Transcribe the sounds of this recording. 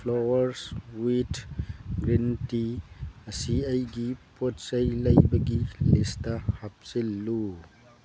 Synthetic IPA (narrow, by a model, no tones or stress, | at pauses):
pʰlowɐɾswitɡɾintiɐsiajɡipot̚sɐjlɐjbɐɡilistɐhap̚silːu